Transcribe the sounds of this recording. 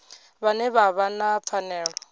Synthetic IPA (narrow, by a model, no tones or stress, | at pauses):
βanɛβaβanap̪fʰanɛːɺɔ